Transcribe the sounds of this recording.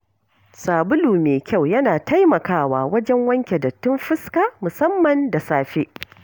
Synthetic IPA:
saː˨bʊ˦luː˨meː˨kʲa˦˨wjɐ˦naː˨ta˦jmɐ˨kaː˦waː˨wɐ˦d͡ʒɛ˦ŋwɐ˦ŋkʲe˨dɐ˨tːʊ˦mɸɪ˦ska˦mʊ˨sɐ˦mːɐ˨nda˨saː˦ɸe˦ʔ

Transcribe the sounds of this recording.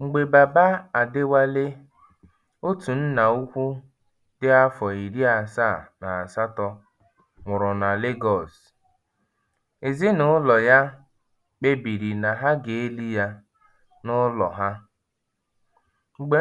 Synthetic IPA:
ŋ͡m̩˨ɡ͡be˨ba˨ba˦a˨dɪ˦wa˦le˦ | o˦tu˨n̩˦na˨u˦kʷu˦ | dɪ˦a˦fɔ˨i˨ɾi˦a˨sa˦˨na˨a˨sa˦tɔ˦ | mʊ˨ɾʊ˨na˨le˦ɡɔ˦˨s | e˨zi˦nʊ˨˦lɔ˨ja˦ | k͡pe˦bi˨ɾi˨na˨ɦa˦ɡe˨e˦li˦ja˦ | nʊ˦lɔ̰˨ɦa˦ | ŋ͡m̩˨ɡ͡be˦

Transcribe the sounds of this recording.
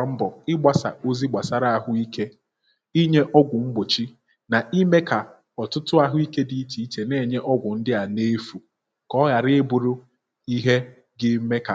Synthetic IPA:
m̩˦bɔ˨ɪ˦ɡ͡ba˨sa̰˨o˦zi˦ɡ͡ba˨sa˦ɾa˦a˨ɦʊ˦i˦ke˦ | i˦ɲe˦ʔɔ˦ɡʷʊ˨ŋ͡m̩˦ɡ͡bʊ˨t͡ʃi˦ | na˨i˦me˦ka˨ | ɔ˨tʊ˦tʊ˦a˦ɦʊ˦i˦ke˦di˨i˦ti˨i˦te˨ne˦˨ɲe˦ʔɔ˦ɡʷʊ˨n̩˦dɪ˦a˨ne˦fu˨ | kɔ˦ɣa˨ɾɪ˦bʊ˨ɾʊ˦ | i˦ɦe˦ | ɡɪ˦me˦ka˨

